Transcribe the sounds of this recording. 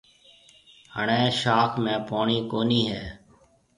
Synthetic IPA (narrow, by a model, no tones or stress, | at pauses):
həɳẽːʃaːkʰmẽːpoːɳiːkoːniːɦɛː